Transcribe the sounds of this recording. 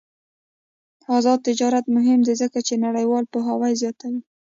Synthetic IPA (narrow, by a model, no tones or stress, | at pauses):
ɑzɑd̪̚t̪ɪd͡ʒɑɾat̪mʊɦɪmd̪ezəkat͡ʃenaɽajwɑlpəɦawajzjɑt̪awi